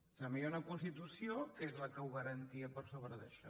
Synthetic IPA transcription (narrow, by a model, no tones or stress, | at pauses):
t̪əmbiaunəkunst̪it̪usiokezləkəwɣəɾənt̪iəpəɾsoβɾəðəʃɔ̰